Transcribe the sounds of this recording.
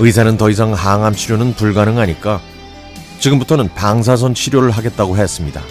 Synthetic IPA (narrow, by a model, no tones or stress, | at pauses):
ɯisʰanɯntʌis̬ʰaŋhaŋɦamɕʰiɾjonɯnpuɭɡanɯŋaɲik͈a | t͡ɕiɡɯmbutʰʌnɯnpaŋsʰas̬ʰʌnɕʰiɾjoɾɯɭɦaɡe̞t̚t͈aɡoɦeʌs͈ɯmɲida̰